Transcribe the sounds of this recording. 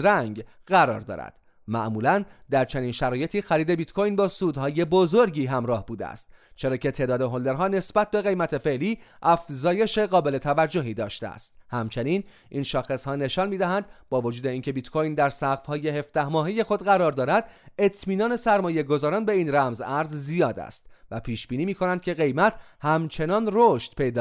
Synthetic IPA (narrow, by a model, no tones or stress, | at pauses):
ɾæŋɡ | ɢæɾɒ̰ːɾd̪ɒ̰ːɾæ̰d̪̥ | mæ̰ʔmuːlænd̪æɾt͡ʃʰeniːnʃæɾɒːje̞t̪ʰiːxæɾiːd̪e̞bit̪kʰo̞jnbɒːsuːd̪hɒːje̞bozo̞ɾɟiːɦæmɾɒːhbuːd̪ḛæ̰st̪̚t͡ʃʰe̞ɾɒːcʰe̞t̪ʰe̞ːd̪ɒːd̪eɦond̪e̞ɾɦɒːne̞sbæt̪̚be̞ɣe̞jmæt̪ʰe̞fe̞ʔliːʔæfzɒːje̞ʃe̞ɣɒːbe̞le̞t̪ʰævæd͡ʒːo̞ɦiːd̪ɒ̰ːʃt̪ḛæ̰st̪hæmt͡ʃʰe̞niːn | ʔinʃɒːxe̞shɒːne̞ʃɒnmiːd̪æɦænd̪bɒːvo̞d͡ʒuːd̪e̞iːŋcʰe̞bit̪kʰo̞jnd̪æɾsæɣfhɒːje̞ɦe̞fd̪æhmɒːɦeje̞xo̞d̪ɣæɾɒːɾd̪ɒːɾæd̪e̞t̪ʰmiːnɒːne̞sæɾmɒːje̞ɡo̞zɒːɾɒːnbe̞iːnræmzæɾzzijɒːd̪æ̰st̪væpʰiːʃb̥iːniːmiːkʰo̞nænd̪̚cʰe̞ɣe̞jmæt̪ʰhæmt͡ʃʰe̞nɒːnroʃt̪pʰe̞jd̪ɒ